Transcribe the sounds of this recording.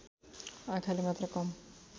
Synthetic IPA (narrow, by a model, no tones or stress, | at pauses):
ajkʰalimat̪ɾakɔm